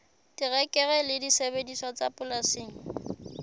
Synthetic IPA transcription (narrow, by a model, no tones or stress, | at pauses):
tirɛkʼɛɣɛlɪdisebedisɔt͡sʼapʼʊlasiːŋ̩